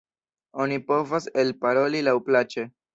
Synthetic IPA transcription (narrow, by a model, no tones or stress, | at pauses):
o̞nipo̞vaselpaɾo̞lilawplat͡ʃe